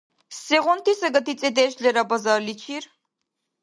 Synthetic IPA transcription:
sɛʁɔnt̪ʰisəɡət̪ʰit͡sʼɛd̪ɛːʃlɛɾabazaɾlit͡ʃʰiɾ

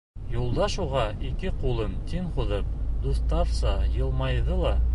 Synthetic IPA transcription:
julˠd̪ɑʃuʁɑikɘqulˠɤnt̪iɴχuðɤp̚d̪uθt̪ɑfsɑjɤ̆lˠmɑjðɤlˠɑ

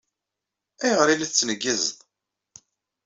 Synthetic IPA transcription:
æjʁɾilæt͡sːnəɡːəzðˤ

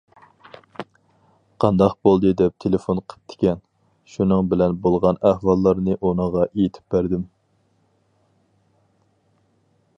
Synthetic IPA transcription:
qʰɑnd̪ɑqbolˠd̪ɨd̪ɛp̚t̪ʰelefonqʰə̥t̪ʰːɪ̥kʲɛn | ʃunɨŋbɪlɛnbolˠʁɑnæhwɑlˠːɑɾnɨʔonəʁɑʔejit̪ʰɪ̥p̚bæɾd̪ɪm

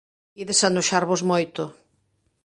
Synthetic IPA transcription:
iðesand̪oʃaɾβozmojt̪ʊ

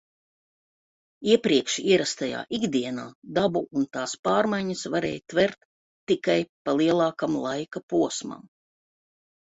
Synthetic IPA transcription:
iɛpɾiɛkʃiɛɾast̪aja̰ːʔiɡd̪iɛnaːd̪abuunt̪aːspɑːɾmajɲɐsvaɾɛ̰ːjt̪vɛɾt̪ː | ikajpalˠiɛlˠɑːkamlˠajkapuɔsma̰m

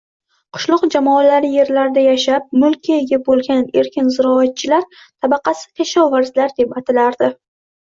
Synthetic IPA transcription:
qʰʊ̥ʃlˠʊqd͡ʒamɒalaɾɪje̞ɾlaɾd̪ajaʃap̚mʊlˠkʲieɡʲabolˠɡʲane̞ɾkʲɪnzɪɾɒat̪̚t͡ʃʰɪlaɾ | t̪ʰabɑqʰɑsɪ̥kʲʰaʃɒvaɾzlaɾd̪e̞pat̪ʰɪlaɾd̪ɪ

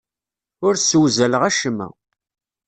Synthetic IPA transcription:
ʊɾswzæləʁæʃəmːæ̰

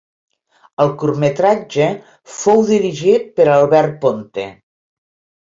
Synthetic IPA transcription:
əlˠkurmet̪ɾad͡ʒə | fowðiɾiʒit̪̚pəɾalˠβɛrt̪̚pont̪e

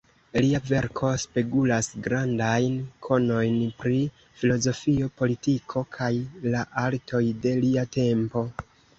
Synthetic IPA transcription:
liave̞ɾkʰo̞spe̞ɡulasɡɾandajnkʰo̞no̞jnpɾi | filo̞zo̞fio̞po̞litikʰo̞kʰajlaʔaltʰo̞jde̞liate̞mpo̞

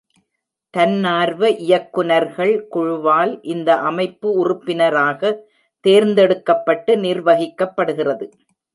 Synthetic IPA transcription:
t̪ɐnːaːɾʋɐʔɪjɐkːʊnɐɾɣɐɭkʊɻʊʋaːlʔɪnd̪ɐʔɐmɐɪpːɯʊrʊpːɪnɐɾaːɣɐ | t̪eːɾnd̪ɛɽɯkːɐpːɐʈːɯnɪɾʋɐɣɪkːɐpːɐɽɯɣɪrɐðɯ

